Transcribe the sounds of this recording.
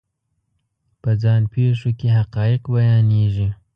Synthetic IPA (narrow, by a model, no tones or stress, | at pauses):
pəd͡zɑnpʰeʂokeɦaqɑːjɪqbajɑneʒi